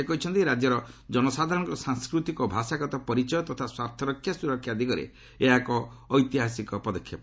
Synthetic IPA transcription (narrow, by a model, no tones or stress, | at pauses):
ekɔit͡ʃʰɔnt̪iɾad͡ʒjɔɾɔd͡ʒɔnɔsad̪ʱaɾɔ̃ɽɔ̃ŋkɔsaŋskɾut̪ikɔbʱasaɡɔt̪ɔpɔɾit͡ʃɔjɔt̪ɔt̪ʰaswaɾt̪ʰɔɾɔkʰːjasuɾɔkʰjad̪iɡɔɾḛ | eɦakɔː | jt̪iɦasikɔpɔd̪ɔkʰjap